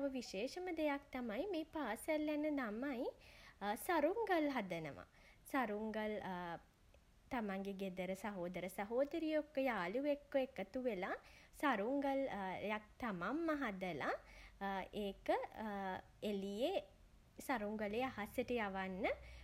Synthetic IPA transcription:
ʋəʋiʃeːʃəməd̪ejak̚t̪amajmeːpaːsəljanəd̪amaj | saɾuŋɡəlɦad̪ənə̰ʋa̰ | saɾuŋɡəl | t̪amaŋɡeɡed̪əɾəsaɦoːd̪əɾəsaɦoːd̪əɾijokːəjaːluʋekːoekət̪uʋelasaɾuŋɡəljak̚t̪amamːaɦad̪əla | eːkə | elije | saɾuŋɡəleaɦasjəʈəjaʋanːə

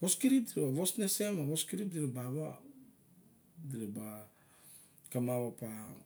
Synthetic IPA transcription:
bo̞skiɾip̚diɾebaβosneseamaβoskiɾip̚diɾobaβa | diɾeba | kamaβapa

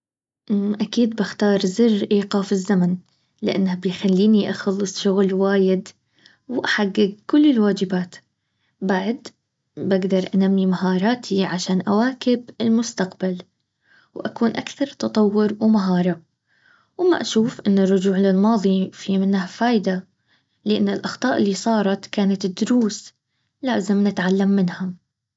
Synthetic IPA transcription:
ʔʔakiːd̪bɪxt̪ɑːɾˤzɪrʔiːqɑːfɪzːaman | lɪʔa̰nːhabɪjxalːiːniʔaxɑlːɨsˤʃʊɣlwaːjɪd̪ | wʔaħaɡːɪɡ̚kʊlːɪlwaːd͡ʒɪbaːt̪ | baʕd̪ | baɡd̪ɑɾˤʔanamːimaɦɑːɾˤɑːt̪ʰiʕaʃaːnʔawaːkɪbɪlmʊst̪aqbal | wʔakuːnʔakθɑɾˤt̪ɑt̪ˤɑwːʊɾwmaɦɑːɾˤʊʕ | wɪmːa̰ʔaʃuːfʔɪnːɪrːʊd͡ʒuːʕlɪlmɑːðˤifimɪnːahfaːjd̪a | lɪʔanːɪlʔɑxt̪ˤɑːʔɪlːisˤɑːɾˤɑt̪kaːnat̪d̪ːʊɾuːs | laːzɪmnɪt̪ʕalːamːɪnhʊm

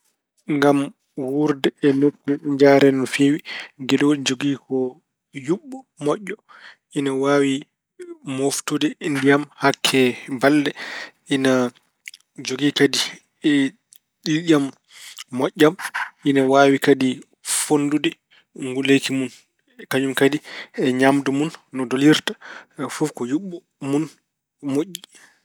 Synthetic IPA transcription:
ŋɡam | wuɾdɛɛnokːuɲd͡ʒaɾɛnɔnfewiɡɛdɔd͡ʒoɡikɔ | juɓːɔ | mɔʔːɔ | ʔinawaːwi | moftudɛindijamhakʰːɛbaldɛʔina | d͡ʒoɡikadi | ɛ | ɗilɗamː | ɔʔːaminawawikadi | fondudɛ | ŋɡulejkimun | kaɲumkadiɛɲamdumunːɔdoliɾtafufkɔjuɓːɔ | mun | moʔːi

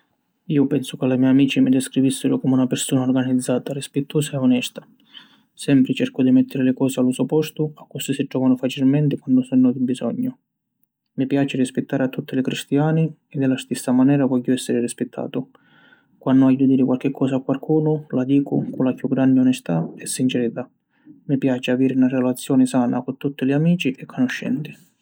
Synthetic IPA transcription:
iːʊpɛnsʊkɪlamɛjamiːt͡ʃimɪd̪ɛskɾivisːɪɾʊkɔmunapɪrsuːnaʊrɡanid̪zːaːt̪arispɪt̪ʰːoːsaeɔnɛst̪ḁ | sɛmpɾɪt͡ʃɛrkʊd̪imɛt̪ʰːɪɾɪlɪkɔːsɪalusupɔst̪ʊakːʊst̪isɪd͡ʒːɔːvanʊfat͡ʃilmɛnt̪ɪkwand̪ʊsɔnːɔd̪ibizɔɲːʊ | mipjaːt͡ʃɪrispɪt̪ːaːɾɪat̪ːut̪ʰːɪlɪkɾist̪jaːni | ɛd̪ːɪlast̪isːamanɛːɾavɔʎːʊɛsːɪɾɪrispɪt̪ʰːa̰ːt̪ʊ | kwanːʊajːʊd̪iːɾɪkwalk̟ɪkʰːɔːsakːwalkʰuːnʊlad̪iːkʊ̰kʊlapjuɡːɾand̪ɪɔnɛst̪aɛsːint͡ʃɛɾit̪a | mipjaːt͡ʃɪaviːɾɪunarɛlat̪sːjɔːnɪsaːna̰kʊt̪ːut̪ːɪlɪamiːt͡ʃiʔɛkʰːɔnʊʃːɛ̰nt̪ɪ̥

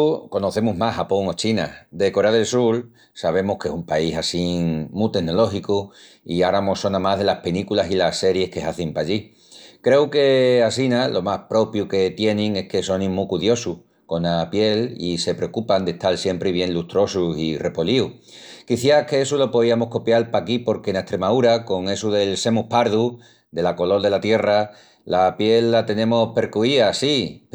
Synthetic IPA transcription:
ko̞no̞θe̞muɦmahapo̞ŋot͡ʃinad̪e̞ko̞ɾeaðe̞lsul | saβ̞e̞mohkesumpaisasiŋmut̪e̞ɦno̞lo̞xiku | iaɾamo̞so̞namaɦðe̞lahpelikulasilase̞ɾje̞hke̞ɦaθimpaʎi | kɾe̞uke̞as̬inalʔo̞mahpɾo̞pjuke̞t̪je̞nẽŋe̞hke̞so̞nĩmːukuðjo̞suh | ko̞napje̞lḭse̞pɾe̞okupand̪e̞t̪alsje̞mpɾeβje̞nlut̪ɾo̞susire̞poliu | kiθjake̞esulo̞po̞ðiamo̞hko̞pjalpakipo̞ɾke̞net̪ɾe̞mauɾako̞ŋe̞suðe̞lse̞mupaɾðu | d̪e̞lako̞lo̞ld̪e̞lat̪je̞ra | lapje̞lːat̪e̞nẽ̞mo̞hpe̞ɾkuiasi

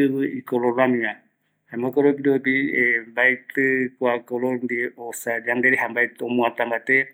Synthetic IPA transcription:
ɨbɨikɔlɔɾamiŋa | amɔkɔɾɔpidɔpiɛbajt̪ɨkwakɔlɔɾndiɔsad͡ʒandɛɾɛɦambajt̪ɔmuat̪ambat̪ɛ

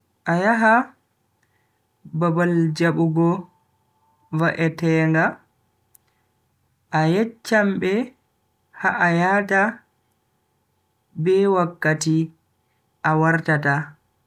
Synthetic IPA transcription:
ʔajaɦa | babald͡ʒaɓuɡɔ | vaʔɛtɛːŋɡa | ʔajɛt͡ʃːambɛ | haʔajata | bɛwakːati | ʔawaɾtata

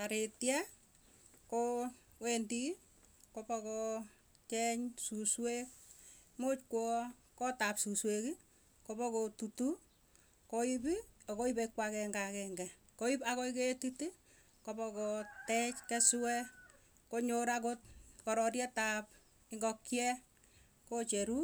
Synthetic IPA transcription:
taɾetjɛ | ko | wendi | kopɔkɔ | t͡ʃɛɲsuswek̚mot͡ʃkwɔ | kɔtapsusweki | kopɔkɔtutu | kɔibiɔkɔipekwakɛŋɡakɛŋɡɛ | koipakɔiketiti | kopɔkɔtɛt͡ʃkɛswɛ | koɲoɾak̬ot̚kɔɾɔɾjɛtap | ɪŋɡɔkjɛ | kot͡ʃeɾu

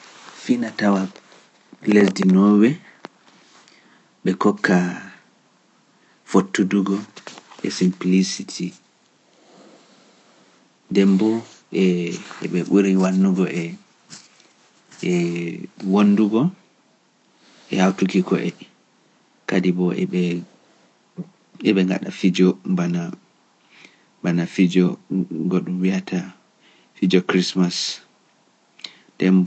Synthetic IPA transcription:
finatawa | lesdinɔːwɛ | ɓɛkɔkʰːa | fotːuduɡɔʔɛ̰simplisitʰi | ndɛmbɔ | ɛɛɓɛɓuɾiwanːuɡɔʔɛ | ɛ | wonːduɡɔ | ʔɛ̰hawtukikɔʔɛ | kadibɔɛ | ɛɓɛŋɡa̰ɗa̰fid͡ʒɔbana | banafid͡ʒɔɡɔɗumwiatʰa | fid͡ʒɔkɾismas | d̥ɛmb

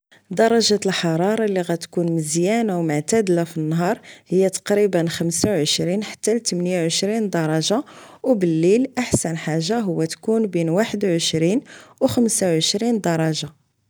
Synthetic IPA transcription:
d̪ɑɾˤɑʒalħɑɾˤɑɾˤɑliɣæt̪kunməzjænawmʊʕt̪æd̪lafinːɦɑɾˤhəjːat̪ɑ̥qɾibənxəmsawʕəʃɾinħḁt̪ːælt̪əmnjawʕəʃɾind̪ɑɾˤɑʒawbəlːilʔaħsənħaʒːaɦʊwːæt̪kunbinwaħəd̪wʕəʃɾinwxəmsawʕəʃɾind̪ɑɾˤɑʒa

